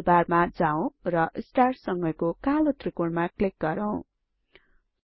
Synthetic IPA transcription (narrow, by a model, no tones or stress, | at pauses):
barmad͡zaw̃rʌʔsʈarsʌŋɡʌjkokalot̪rikoɳmaklik̚ɡʌɾʌw̃